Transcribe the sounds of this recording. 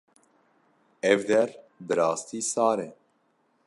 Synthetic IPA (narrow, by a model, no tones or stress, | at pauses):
ɛvd̪ɛɾbɨɾɑːst̪iːsɑːɾɛ